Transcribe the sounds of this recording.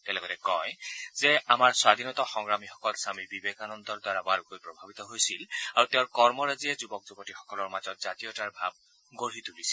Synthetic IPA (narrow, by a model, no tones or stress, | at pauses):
tɛlɔkɔtɛkɔjz̥ɛamaɹswad̪ʱinɔt̪ɔxɔŋɹamixɔ̥kɔlsamibibekanɔnd̪ɔɹdwaɹabaɹukojpɹɔbʱabit̪ɔɦojsilaɹutɛʊ̃ɹkɔɹmɔɹazijɛzubɔk̚zubɔtixɔ̥kɔlɔɹmazɔtz̥atijɔtaɹbʱab̚ | ɡoɹit̪ulisil